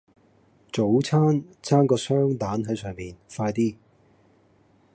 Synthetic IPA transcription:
t͡so˨˥wt͡sʰaː˥nt͡sʰaː˥nkɔː˧sœː˥ŋt̪aː˨˥nɦɐ˨˥sœː˨ŋmiː˨nfaː˧jt̪iː˥

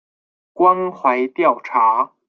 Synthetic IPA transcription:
kwa˥nxwa˧˥ɪt̪jɑ˥˨˩ʊʈ͡ʂʰa˧˥

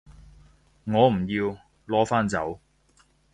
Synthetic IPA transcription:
ŋɔː˨˧m̩˨˩jiː˧w | lɔː˨˥faː˥nt͡sɐ˨˥w

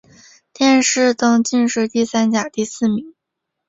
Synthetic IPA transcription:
t̪jɛ˥˧nʂɻ̩˥˩t̪ɤ˥ŋt͡ɕi˥˧nʂɻ̩˥˧t̪i˥˩sa˥nt͡ɕja˨˩t̪i˥˧sɹ̩˥˩mi˧˥ŋ

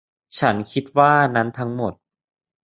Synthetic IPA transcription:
t͡ɕʰa˦˥nkʰi˦˥t̪̚waː˥˩na˦˥nt̪ʰa˦˥ŋmo˨˩t̪̚

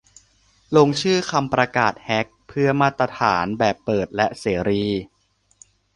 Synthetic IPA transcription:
lo˧ŋt͡ɕʰɯː˥˩kʰa˧mpɾa˧kaː˨˩t̪̚hɛ˦˥k̚pʰɯ˥˩ɐmaː˥˩t̪ɾa˧t̪ʰaː˩˦nbɛː˨˩pːɤː˨˩t̪̚lɛ˦˥ʔseː˩˦ɾiː˧

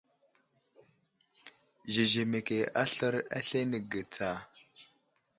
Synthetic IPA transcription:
ʒi˨ʒe˨me˨ke˨a˦ɬə˦ɾa̰˦ɬe˦nə˨ɡə˨t͡sa˨

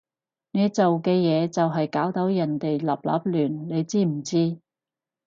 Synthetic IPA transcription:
ne˨˧jt͡so˨wkɛː˧jɛː˨˧t͡sɐ˨wɦɐ˨jkaː˨˥wt̪o˨˥wjɐ˨˩nt̪e˨jlɐ̰˨p̚lɐ̰˨˥p̚lyː˨˩nne˨˧jt͡siː˥m̩˨˩t͡siː˥

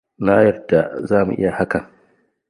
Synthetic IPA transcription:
naː˦jɐ˨rda˨zaː˦˨mṵ˨ʔɪ̰˦ja˨ha˦kɐ˨ŋ

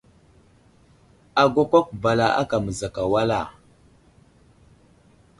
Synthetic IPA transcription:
a˨ɡʷa˦kʷa˦k̚ba˨la˨ʔa̰˦ka˨mə˨za˨ka˨wa˦la˨

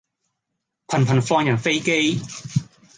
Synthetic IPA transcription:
pʰɐ˨˩npʰɐ˨˩nfɔː˧ŋjɐ˨˩nfe˥jke˥j

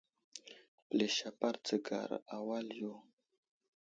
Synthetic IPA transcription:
ple˨ʃa˨pa˦ɾt͡sə˨ɡa̰˨ɾa˨wa˦ljo˦

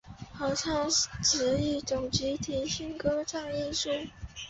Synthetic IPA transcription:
xɤ˧˥ʈ͡ʂʰɑ˥˩ŋʈ͡ʂ̩˧˥i˥˩t͡sʊ˨˩ŋt͡ɕi˧˥t̪ʰi˧˥ɕi˥nkɤ˥ʈ͡ʂʰɑ˥˧ŋi˥˧ʂu˥˩

